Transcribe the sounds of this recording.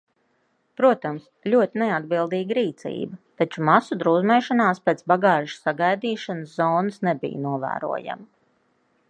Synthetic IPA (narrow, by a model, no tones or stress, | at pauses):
pɾuɔt̪amslʲuɔt̪inead̪̚bilˠd̪iːɡəɾiːt̪sḭːbɐt̪at͡ʃumasud̪ɾuːzmɛːʃanaːspʲeːt̪sbaɡɑːʒ̥saɡajd̪iːʃanəszɔːnəsnebḭj̰nuɔvæ̰ːɾṵɔja̰ma